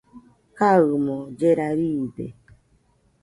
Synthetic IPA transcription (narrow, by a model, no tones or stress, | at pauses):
kaɨmod͡ʒeɾaɾidḛ